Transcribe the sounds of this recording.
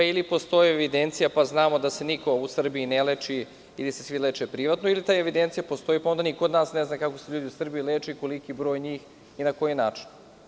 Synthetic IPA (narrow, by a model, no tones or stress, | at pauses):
ilipo̞st̪o̞jieʋid̪ent̪sijapaznaːmo̞d̪ase̞nikʰo̞usr̩biinelet͡ʃi | ilisesʋilet͡ʃepɾiʋat̪noilit̪aːjeʋid̪ent̪sijapost̪o̞jipaond̪anikod̪naːsneznakako̞seʎuːd̪iusr̩bijilet͡ʃeiko̞likibɾo̞ːjɲiːx | inako̞jinaːt͡ʂi̥n